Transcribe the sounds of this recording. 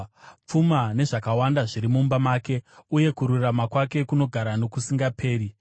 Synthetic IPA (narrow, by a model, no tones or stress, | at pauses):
p͡fumane̞ʐakawandaʐiɾimumbamaːke̞uje̞kuɾuramakwake̞kuno̞ɡʱaɾanokusiŋɡapʰe̞ːɾi